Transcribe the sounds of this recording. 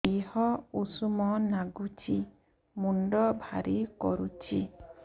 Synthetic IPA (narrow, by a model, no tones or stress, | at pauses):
ehɔusumɔnaɡut͡ʃʰi | muɳɖɔbʱaɾʔikɔɾut͡ʃʰi